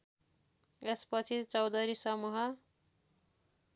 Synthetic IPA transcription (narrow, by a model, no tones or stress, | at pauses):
espʌt͡sʰit͡sʌwd̪ʌɾisʌmuɦʌ